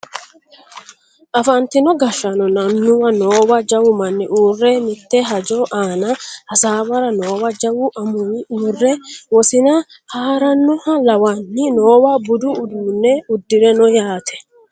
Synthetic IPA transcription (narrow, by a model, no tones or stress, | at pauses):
ʔɐfɐnt̪ɪnɔɡɐʃːɐnɔnɐnːʊwɐnoːwɐd͡ʒɐwʊmɐnːɪʔuːrːɛmɪt̪ːɛɦɐd͡ʒoːʔaːnɐʔɐsaːwɐɾɐno̞ːwɐd͡ʒɐwʊʔɐmʊjɪuːrːɛwɔsɪnɐ | haːɾɐnːɔhɐlɐwanːɪnoːwabʊd̪ʊːd̪uːnːɛʊd̪ːɪɾɛnɔjaːt̪ʰɛ̥